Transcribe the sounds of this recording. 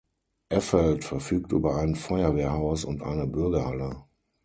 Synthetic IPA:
ʔɛfɛltfɛɐfyːk̚tʔy̰ːbɐaɪnənfɔɪɐveːɐhaʊsʊntʔa̰ɪnəbʏɐɡɐhalə

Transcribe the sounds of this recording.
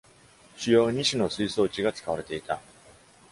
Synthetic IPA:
ɕɨjo̞ːɲ̟iɕino̞sɨiso̞ːt͡ɕiɡat͡sɨ̥kaβaɾe̞t̪e̞it̪a

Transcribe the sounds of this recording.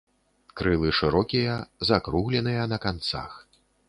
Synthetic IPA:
kɾɨlˠɨʂɨɾɔkʲijɐzakɾuɣlʲɛn̪ɨjɐnɐkant̪sa̰x

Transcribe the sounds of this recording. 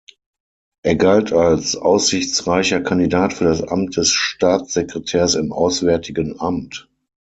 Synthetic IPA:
ʔeːɐɡaltʰalsʔa̰ʊsz̥ɪçt͡sʁaɪçɐkʰandidaːtfyːɐɾasʔa̰mt̚d̥ɛsʃtaːt͡sz̥ekʁ̥ɛtʰɛːɐsɪmʔaʊsv̥ɛɐtʰɪɡənʔamt

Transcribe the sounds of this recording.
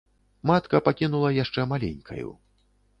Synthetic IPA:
mat̪kɐpakʲinulˠɐjaʂt͡ʂɛmalʲḛnʲkʰɐ̰jṵ

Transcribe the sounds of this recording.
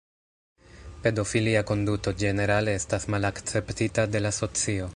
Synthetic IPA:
pe̞do̞filiako̞nduto̞d͡ʒe̞ne̞ɾale̞estasmalakt͡se̞ptitade̞laso̞t͡sio̞

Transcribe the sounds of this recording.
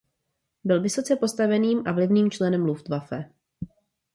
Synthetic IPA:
bɪlvɪso̞t͡sɛpo̞st̪avɛniːmʔavlɪvniːmt͡ʃlɛnɛmluft̪vafɛ

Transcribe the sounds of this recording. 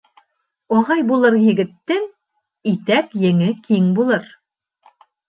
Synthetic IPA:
ɒʁɑjbulˠɤɾjɘ̆ɡɘ̆t̪ːɘŋ | it̪ækjɘ̆ŋɘkʰiŋbulˠɤɾ

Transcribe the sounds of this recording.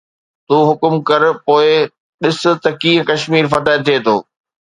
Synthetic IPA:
t̪uːɦʊkʊmkɐɾpoːɪ | ɗɪsʊ̆t̪ɐkiːɦkɐʃmiːɾfɐt̪aːɪt̪ʰːieːt̪ʰoː

